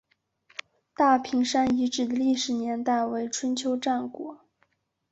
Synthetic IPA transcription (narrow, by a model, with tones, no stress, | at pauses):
t̪a˥˩pʰi˧˥ŋʂa˥ni˧˥ʈ͡ʂɻ̩˨˩d̪ə˦li˥˩ʂɻ̩˨˩njɛ˧˥nt̪a˥˩ɪwe˧˥ɪʈ͡ʂʰwə˥nt͡ɕʰjo˧˥ʊʈ͡ʂa˥˩nkwɔ̰˨˥˦